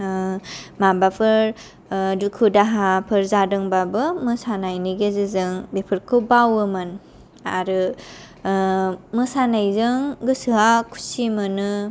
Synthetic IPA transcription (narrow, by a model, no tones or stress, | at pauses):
mabapʰɯɾ | dukʰɯdaɦapʰɯɾzadɯŋbabɯmɯsanajniɡezɯzɯŋbepʰɯɾkʰɯwbawɯmɯn | aɾɯ | mɯsanajzɯŋɡɯsɯɦakʰu̥simɯnɯ